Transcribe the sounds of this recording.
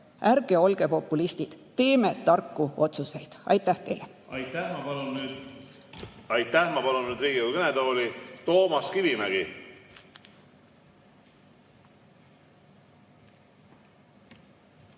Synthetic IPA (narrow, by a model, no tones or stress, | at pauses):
ærɡ̥e̞o̞lɡ̥e̞po̞pːˑulist̪id̪̥t̪ːe̞ːme̞t̪ːɑrkːuo̞t̪suse̞jd̪̥ɑ̰jt̪ˑːæht̪e̞jle | ɑ̰jt̪ːæhmɑpɑlunyːd̪̥ | ɑjt̪ːˑæhmɑpɑlunnyːd̪ɾiːɡiokɤned̪oːlit̪o̞ːmɑskivimæɡ̥i